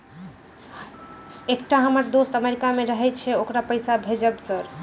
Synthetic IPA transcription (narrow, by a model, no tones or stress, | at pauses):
ek̚ʈaɦəməɾd̪ost̪əmeɾikameɾəɦɛt͡ʃʰɛokɾapəjsabʱed͡ʒəbsəɾ